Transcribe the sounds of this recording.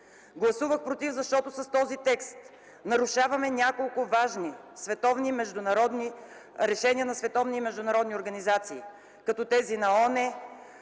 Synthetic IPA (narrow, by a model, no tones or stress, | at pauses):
ɡlˠɐsuvəxpɾot̪ivzɐʃt̪ɔt̪ʊsɐst̪ɔzit̪ɛkst̪ | nɐɾʊʃavɐmɛnʲakolˠkʊvaʒnisvɛt̪ɔvnimɛʒd̪ʊnɐɾɔd̪ni | ɾɛʃɛniənɐsvɛt̪ɔvnimɛʒd̪ʊnɐɾɔd̪nioɾɡɐnizat̪siː | kɐt̪ɔt̪ɛzinɐɔnɛ